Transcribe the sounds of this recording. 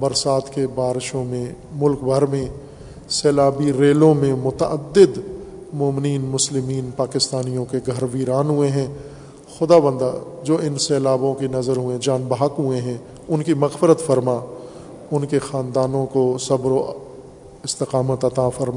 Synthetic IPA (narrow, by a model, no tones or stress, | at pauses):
bɐɾsaːt̪kebaːɾɪʃõmẽ | mʊlkbʱəɾmẽ | sɛːlaːbiɾeːlõmẽmʊt̪aəd̪ːɪd̪mʊːmɪniːnmʊslɪmiːnpaːkɪst̪aːnijõkeɡʱɐɾʋiːɾaːnɦʊeɦɛ̃ | xʊd̪aːʋə̃nd̪ad͡ʒoːɪnsɛːlaːbõkenɐzəɾɦʊẽd͡ʒaːnbaːkɦʊeɦɛ̃ | ʊnkimɐɣfɪɾət̪fɐɾma | ʊnkexaːnd̪aːnõkosɐbɾo | ɪst̪ɪqaːmət̪ɐt̪afɐɾma